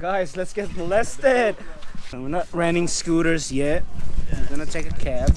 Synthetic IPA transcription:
ɡ̥aɪzlɨtsɡ̥ɛtməlɛstɪd̚wiɹnət̚ɹæ̃nɪ̃ŋskuɾə˞zjɛt̚ɡʌnətʰeɪkɨkʰæb̥

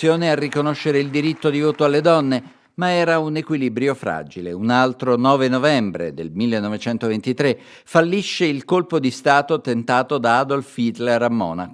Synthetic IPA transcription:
joːnearːikonoʃːeɾeild̪iɾit̪ːod̪ivoːt̪oalːed̪ɔnːe | maɛːɾaunekwilibɾjofɾa̰ːd͡ʒileunalt̪ɾonɔːvenovɛmbɾḛd̪elmilːenːovet͡ʃɛnt̪ovent̪it̪ɾe | falːiʃːeilkolpod̪ist̪aːt̪ot̪ent̪aːt̪od̪aad̪olfit̪leɾamːɔ̰ːnak

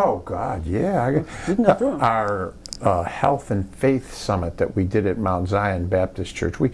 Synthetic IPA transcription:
oʊɡɑd̚jæaɪ | aə˞ | hɛlˠθɨ̃nfeɪθsʌmət̪̚ðɨ̰ʔ̚widɨɾɨt̚mãʊ̃ntzaɪɨ̃nbæp̚tɨst͡ʃʰɜ̰˞t͡ʃwi

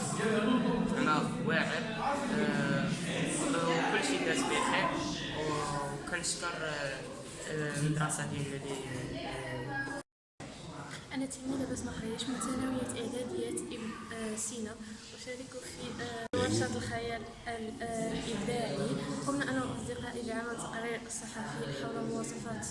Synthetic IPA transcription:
ʔænæ | wæɾə | kʊlːʃit̪æsbixiɾ | wkænəʃkəɾˤ | əd̪ɾˤɑsad̪jælli | ʔænæt̪æmilæbæsːmæxæjːæʃmʊt̪ænæwəjæt̪ʔəʕd̪æd̪əjæt̪əsinawʃæɾəkufiwɑɾʃɑt̪əlxæjæl | llʔəbd̪aʕiqʊmnæʔænæmɑsˤd̪iqɑʔilʕaməlt̪qɾiɾəsˤːɑħɑfiħawləmʊwɑsˤɑfɑt̪

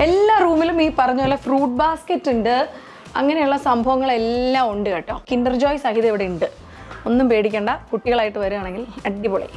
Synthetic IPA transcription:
elːaːruːmilumiːpɐrɐɲːulːɐfruːʈ̚baːsketːuɳɖɨ | ɐ̰ŋːɐne̞juɭːɐsɐmbʱɐʋɐŋːɐɭe̞lːaːmoɳɖɨkeːʈːo̰ːkinɖɐrd͡ʑoːjsɐɦiðɐiʋiɽeuɳɖɨ | o̞nːumpe̞ːɽikʲːeːɳɖɐkuʈːiɣɐɭaːjiʈːɨʋɐɾuaːɳe̞ŋɡilɐɖɖipoːɭḭ

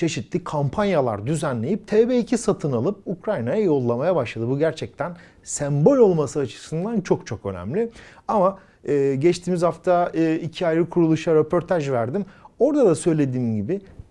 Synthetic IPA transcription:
t͡ʃʰe̞ʃit̪lʲikʰampʰanjalˠa̰ɾd̪yzænlʲe̞jip̚t̪ʰɛːbeicʰisat̪ʰɯnalˠɯp̚ukɾajnajajo̞lˠːamajabaʃlˠad̪ɯbuɟæɾt͡ʃʰɛc̚t̪ʰæn | sɛmbo̞lʲo̞lˠmasɯat͡ʃʰɯ̥sɯnd̪ant͡ʃʰo̞kt͡ʃʰo̞kø̞̰næ̰mlʲiɪama | ɯːɟɛt͡ʃt̪ʰiːmizhaft̪ʰaɯːicʰiajɯkʰuɾulˠuʃaɾepʰo̞ɾt̪ʰaʒvæɾd̪imo̞ɾd̪ad̪asø̞jlʲe̞d̪iːmɟibɪ

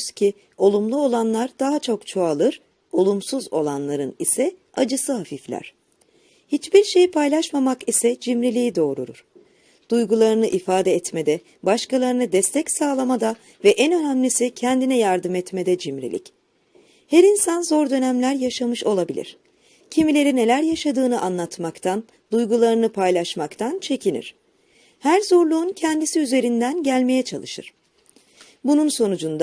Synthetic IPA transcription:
z̥cʰi | o̞lˠumlˠuo̞lˠanlˠaɾd̪̥aɦat͡ʃʰo̞kt͡ʃʰoalˠɯɾ̥ | o̞lˠumsuzo̞̰lˠanlˠaɾɯnisɛ | ad͡ʒɯsɯɦafiflʲæ̰ɾ̝̥ | hit͡ʃbiɾʃe̞jipʰajlˠaʃmamakisɛd͡ʒimɾilʲijid̪o̞ːɾṵɾṵɾ̥ | d̪̥ujɡulˠaɾɯnɯʔifaːd̪ɛɛt̪med̪ɛ | baʃkalˠaɾɯnɯd̪ɛst̪ʰɛcsaːlˠamad̪a | vɛʔɛnø̞næmlʲisicʰɛnd̪inɛjaɾd̪ɯmɛt̪me̞d̪ɛd͡ʒimɾḭlʲḭc | hæɾinsanzo̞ɾd̪ø̞næmlʲæɾjaʃamɯʃo̞lˠabilʲḭɾ̝̥ | cʰimilʲe̞ɾine̞lʲæɾjaʃad̪ɯːnɯʔanlˠat̪makt̪ʰan | d̪ujɡulˠaɾɯnɯpʰajlˠaʃmakt̪ʰant͡ʃʰe̞cʰinḭɾ̥ | hæɾzo̞ɾlˠuːncʰɛnd̪isiyze̞ɾind̪ænɟælʲme̞jɛt͡ʃʰa̰lˠɯʃɯ̰ɾ̥ | bununso̞nud͡ʒund̪a

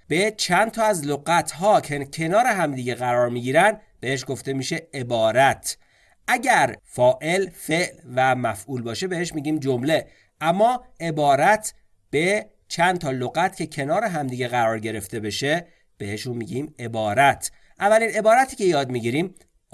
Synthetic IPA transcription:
b̥e̞t͡ʃʰænt̪ʰɒːæzloɣæt̪ʰɦɒːkʰecʰe̞nɒːɾe̞ɦæmd̪iːɟe̞ɣæɾɒːɾmiɟiːɾænd̪ | b̥e̞heʃ̬ɡo̞ft̪e̞miːʃe̞ebɒːɾæt̪ʰ | ʔæɟæɾfɒːʔe̞lfe̞ʔlvæmæfʔuːlbɒːʃe̞be̞heʃmiːɟiːmd͡ʒomle̞ | ʔæmːɒːʔe̞bɒːɾæt̪ʰ | b̥e̞ | t͡ʃʰænd̪t̪ʰɒːloɣæt̪ʰcʰe̞cʰe̞nɒːɾeɦæmd̪iːɟe̞ɣæɾɒːɾɟe̞ɾe̞ft̪e̞be̞ʃe̞ | b̥e̞heʃunmiːɟiːme̞bɒːɾæt̪ʰ | ʔævːæliːne̞bɒːɾæt̪ʰiːcʰe̞jɒːd̪miɟiɾiːm

